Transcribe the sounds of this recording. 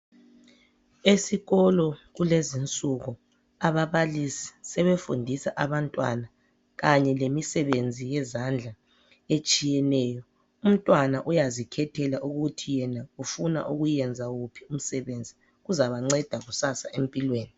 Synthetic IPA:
esiɣɔlɔɣulezint͡sʼuɣu | aβaβalisi̥sɛβefṵndʱisaʔaβantʼwa̰na | ɣaɲɛlemisɛβend͡zʱijɛzand͡ɮʱa | et͡ʃʼijɛnɛːjɔ | um̩tʼwanaʔujazikʰɛtʰɛlaʔuɣutʰijɛnaufuna̰ʔuɣujɛnd͡zʱaɣupʰium̩sɛβend͡zʱi | ɣuzaβaŋ͡ǀɛd̥ʱaɣusasaʔempʼilweːni

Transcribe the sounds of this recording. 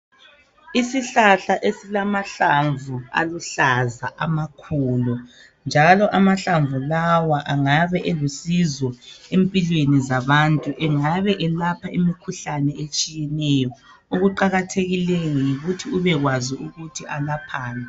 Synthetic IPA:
isiɬaɬaʔesilamaɬaɱvua̰luɬaza̰ʔamakʰulu | nd͡ʒʱalɔʔamaɬaɱvulawaʔaŋaβɛʔelusizwɔempʼilwenizaβantʼuʔɛŋaβɛʔɛlapʰaimikʰuɬanɛet͡ʃʼijɛnɛjɔ | oɣuǃaɣatʰeɣilɛjɔjiɣutʰiuβɛɣwaziuɣutʰiʔalapʰaːnʱɛ

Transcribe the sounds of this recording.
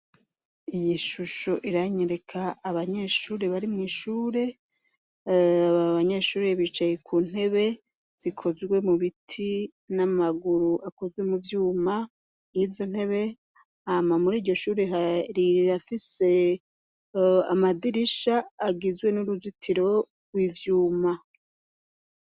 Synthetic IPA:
ijiʃuʃo̞ʔiɾaɲeɾe̞kʰaːβaɲe̞ʃuːɾe̞βaɾimŋiːʃuːɾe̞ | aβaɲe̞ːʃuːɾe̞βit͡ʃajekʰuːn̥he̞βe̞ | z̥ikʰo̞zɡwe̞muβitʰi | namaɡuɾuʔako̞zɡwe̞muvjuːma | ivzo̞n̥he̞βe̞ | amamuɾiːɾɟo̞ʃuːɾeɦaɾiɾiɾafise̞ | amadiɾiʃaːɡizwe̞nuɾuzitʰiɾo̞ | wivjuːma

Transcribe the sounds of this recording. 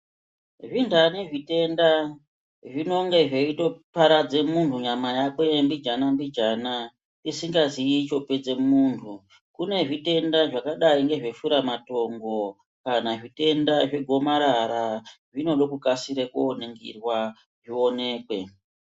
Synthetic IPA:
ʐindaneʐite̞nda | ʐino̞ŋɡe̞ʐeito̞paɾad͡ze̞muntuɲamajakwe̞mbid͡ʒanambid͡ʒana | tisiŋɡaziit͡ʃo̞ped͡ze̞muːntʰu | kune̞ʐite̞ndaʐakaɗaiŋɡe̞ʐe̞ʃuɾamato̞ŋɡo̞ | kanaʐite̞ndaʐe̞ɡʱo̞maɾaɾa | ʐino̞ɗo̞kukasiɾekuoneŋɡḭrwa | ʐio̞ne̞ːkwe̞

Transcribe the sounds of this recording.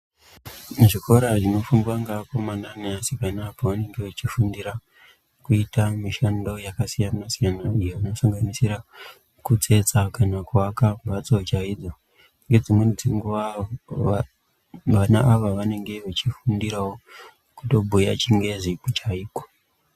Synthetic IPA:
ʐiko̞ɾaʐino̞fundiwaŋɡakomandaneasipanaːpoʋane̞ŋɡeʋet͡ʃifundiɾa | kuitamiʃando̞jakasijanasijanaijeʋino̞saŋɡanisiɾa | kut͡se̞t͡sakanakwakambʱat͡sot͡ʃaid͡zo̞ | ŋɡe̞d͡zimwe̞d͡ziŋɡua | ʋanaʔaʋaʋane̞ŋɡe̞ʋat͡ʃifundiɾawo | kuto̞bʱuja̰t͡ʃiŋɡe̞ʐipot͡ʃaiːko̥

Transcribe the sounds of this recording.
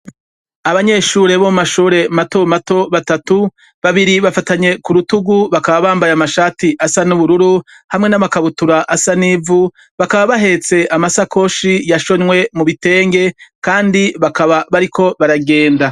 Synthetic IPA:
aβaɲe̞ʃuːɾe̞βomumaʃuːɾe̞mato̞mato̞βatatu | βaβiɾiβafataɲe̞kuɾutuɡuβakaβaβaːmbajamaʃaːtiʔasanuβuɾuɾu | hamŋe̞namakaβutuɾaʔasanivu | βakaβaβaɦe̞t͡se̞ʔamasakʰo̞ʃijaʃo̞ɲwe̞muβite̞ːŋɡe̞kaːndiβakaβaβaɾikʰo̞βaɾaɡe̞ːnda

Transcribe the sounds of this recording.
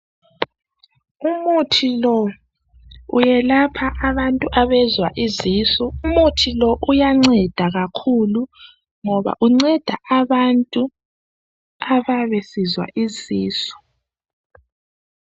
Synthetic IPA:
umutʰilɔ | ṵjɛlapʰaʔaβantʼuʔaβɛzwaʔiziːsɔumutʰilɔʔujaŋ͡ǀɛd̥ʱaɣakʰulu | ŋɔβa̰ʔuŋ͡ǀɛd̥ʱaʔaβantʼu | aβaβɛsizwa̰ʔiziːsɔ̥

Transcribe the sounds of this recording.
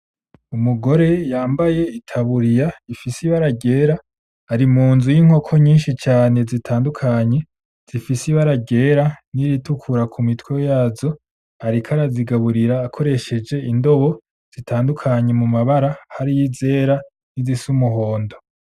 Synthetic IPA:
umuɡo̞ɾe̞jaːmbaje̞itʰaβuɾijaifisiβaɾaɟe̞ːɾaː | ɾimuːnzujiŋ̥o̞kʰo̞ɲiːnʃit͡ʃaːne̞zitʰaːndukʰaɲe̞ | z̥ifisiβaɾaɟe̞ɾaniɾitukʰuɾakʰumitwejaːzo̞ | aɾikʰaɾaziɡaβuɾiɾaːkʰo̞ɾe̞ʃe̞d͡ʒe̞indo̞βo̞ | z̥itʰaːndukʰaɲe̞mumaβaɾahaɾijize̞ːɾa | nizisumuɦo̞ːndo̞

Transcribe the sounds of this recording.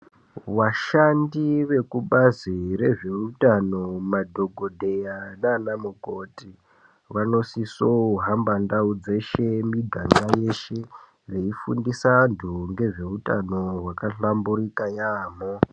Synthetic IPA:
ʋaʃandiʋe̞kuɓaziɾe̞ʐe̞utano̞madʱo̞ɡʱodʱe̞jananamukoti | ʋano̞sisoɦambandaud͡ze̞ʃe̞miɡʱaŋɡaje̞ʃe̞ | re̞ifundisantʰuŋɡe̞ʐe̞utano̞wakaɬambuɾikajaːmo

